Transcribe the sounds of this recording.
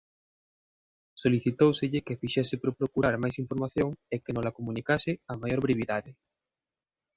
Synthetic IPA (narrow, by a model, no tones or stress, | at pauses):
soliθit̪owseʎɪkefiʃɛsɪpɾopɾokuɾaɾmajsiɱfoɾmaθjoŋekenolakomũnikasɪamajoɾβɾeβiðaðɪ